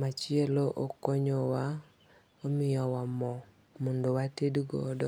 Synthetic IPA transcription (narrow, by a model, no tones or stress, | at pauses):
mat͡ʃɪeloʔokoɲowa | omɪjɔwamɔ | mondowatedɡɔ̰dɔ